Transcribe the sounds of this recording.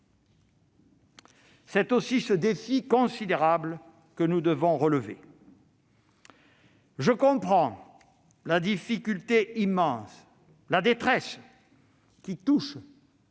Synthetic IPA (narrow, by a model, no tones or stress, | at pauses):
sɛt̪osisəd̪efikɔ̃sid̪eʁablə | kənud̪əvɔ̃ʁələvḛ | ʒəkɔ̃pχɑ̃ | lad̪ifikʲylt̪eimɑ̃s | lad̪et̪χɛs | kʲit̪uʃ